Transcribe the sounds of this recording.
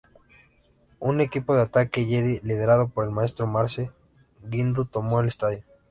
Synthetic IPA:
une̞kipo̞ðeat̪akeʝeðilið̞e̞ɾaðo̞po̞ɾe̞lmae̞st̪ɾomaɾse | ɡind̪ut̪omoelest̪aðjo

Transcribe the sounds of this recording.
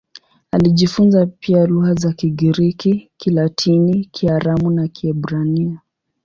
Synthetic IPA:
aliʄifunzapialuhazakiɡiɾikikilatʰinikʰiaɾamunakiɛɓɾania

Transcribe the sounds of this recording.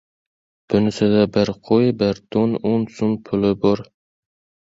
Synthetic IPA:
b̥ʊnɪsɪd̪abɪɾqʰojbɪɾd̪̥onʊnsʊnpʰʊlɪbɒɾ

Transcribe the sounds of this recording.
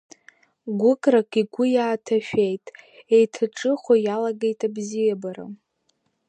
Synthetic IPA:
ɡʷʊkʼrakʼiɡʷʊjaːtʰaʃᶣe̞jtʼe̞jtʰaʈ͡ʂʼɨχʷojalaɡe̞jtʼabzijabaɾa̰

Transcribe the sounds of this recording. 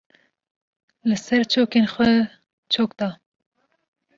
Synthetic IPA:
lɨsɛɾt͡ʃʰoːkenxʷɛ | t͡ʃʰoːkd̪ɑː

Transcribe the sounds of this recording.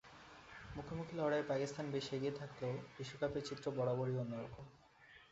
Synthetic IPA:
mukʰomukʰilɔwɽaepakist̪ʰanbeʃeɡiet̪ʰakleobiʃːokapeɾt͡ɕit̪ːɾobɔɽaboɽionːoɾoko

